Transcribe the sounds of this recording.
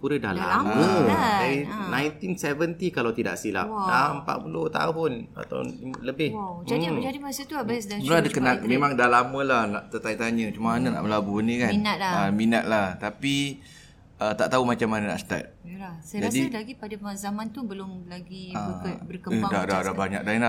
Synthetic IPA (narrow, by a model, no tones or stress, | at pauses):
puɾəda̰la̰məd͡ʒaɾinãjnt̪insɛvənt̪ikalawt̪ida̰ʔsila̰p̚dampa̰t̪̚pulʊht̪a̰ɦʊna̰t̪a̰wləbɪhd͡ʒadid͡ʒadimasat̪uabasdəlaadakənalmẽmãŋdalamə̃lahnaʔt̪ət̪ait̪aɲə̃t͡ʃumaanana̰ʔbəlabunikannalaaminat̪̚laht̪api | ʔət̪aʔt̪aumat͡ʃamanana̰ʔst̪a̰t̪̚lasjd͡ʒadilaɡipadazamãnt̪ubəlʊmlaɡiabərkəədadadabaɲa̰k̚d̪ala